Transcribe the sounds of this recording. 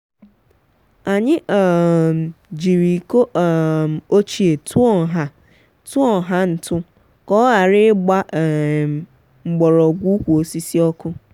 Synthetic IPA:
a˨ɲɪ˦ʔ | d͡ʒi˨ɾi˨ko˦ʔm˨o˦t͡ʃi˦e˨tʰu˦ɔ˨ɦa˦ | tu˦ɔ˨ɦa˦n̩˨tʊ˦ | kɔ˦a˨ɾɪ˦ɡ͡ba˦ʔ | ŋ͡m̩˨ɡ͡bɔ˨ɾɔ˨ɡʷu˦kʷu˨o˨si˦si˦ɔ˦kʊ˦

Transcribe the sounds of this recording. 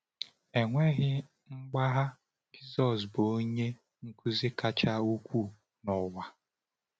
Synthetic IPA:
e˨ŋʷe˦ɣɪ˦ | ŋ͡m̩˦ɡ͡ba˦ɦa˦ | d͡ʒi˦zɔ˨s̬bo˦ɲe˦ | ŋ̩˦ku˦zi˦ka˨t͡ʃa˦u˦kʷu˦˨ | nɔ˨wa˨

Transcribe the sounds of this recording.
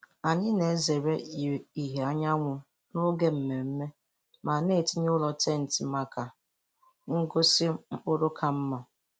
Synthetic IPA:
a˨ɲɪ˦ne˨˦ze˨ɾe˦˨i˨ɦe˨a˦ɲa˦ŋʷʊ˨ | nʊ˦ɡe˦m̩˨˦me˨m̩˦me˦ | ma˨ne˦˨ti˦ɲ˦lɔ˨te˦˨n̩˨ti˨ma˨ka˨ | ŋ̩˦ɡo˦si˦ʊ˦ɾʊ˦kʰa˨m̩˦mɔ˨

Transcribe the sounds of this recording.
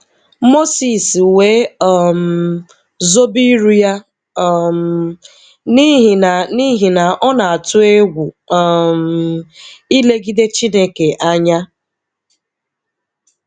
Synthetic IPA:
mo˦si˨swe˨˦ɔ˨m̩˨ | zo˦bi˦ɾu˦ja˦˨ | m | ni˦ɦi˨na˨ni˦ɦi˨na˨ʔɔ˦na˨a˨tʊ˦e˦ɡʷu˨ | m̩˨i˦le˦ɡi˦de˦t͡ʃi˦ne˦ke˨ʔa˦ɲa˦

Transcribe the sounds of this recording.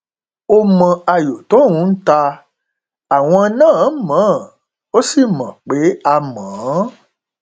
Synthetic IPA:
o˦mã˨a˨jo˨to˦˨ŋũ˨˦n̩˦ta˧ | a˨w̃ɔ̃˦˧˦nã˦˨˦mã˨˦˨ | o˦si˦˨mã̰˨k͡pe˨˦a˧mãː˨˦

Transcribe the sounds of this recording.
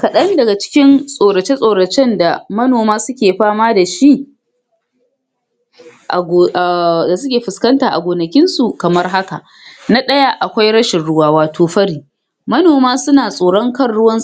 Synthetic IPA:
kɐ˨ɗɐ˦ndɐ˨ɡa˨t͡ʃɪ̥˦kʲɪ˦nsʼoː˨ɾɐ˨t͡ʃe˦sʼoː˨ɽɐ˨t͡ʃɛ˦nda˨mɐ˦noː˨maː˦sʊ˦kʲeː˨ɸaː˦maː˦da˨ʃi˦ʔ | ʔa̰˨ɡda˨sʊ˦kʲeː˨ɸɪ˨skɐ˦ntaː˨ʔa̰˨ɡʷoː˨nɐ˨kʲɪ˦nsu˨kɐ˨mɐ˦rɦa˦ka˨ʔ | na˦ɗɐ˦ja˦ʔa˨kʷa˦jɽɐ˦ʃɪ˨nɽʊ˦waː˦waː˨tʰoː˨ɸɐ˦ɽiː˨ | mɐ˦noː˨maː˦sʊ˦naː˨sʼoː˨ɽɔ˦ŋkɐ˦˨nɽʊ˦wɐ˦ns

